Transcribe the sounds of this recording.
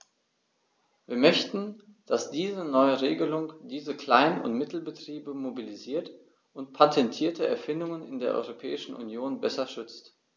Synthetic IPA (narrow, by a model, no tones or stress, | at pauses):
viːɐmœçtn̩d̥asd̥iːzənɔʏəʁeːɡəlʊŋd̥iːzəkl̥aɪnʊ̰ntmɪtl̩bətʁ̥iːbəmobiliziːɐt | ʔʊntpʰatʰɛntʰiːɐtəɛ̰ɐfɪndʊŋənɪndeːɐʔɔ̰ʏʁ̞opʰɛ̰ːɪʃn̩ʔṵnjoːnbɛsɐʃʏt͡st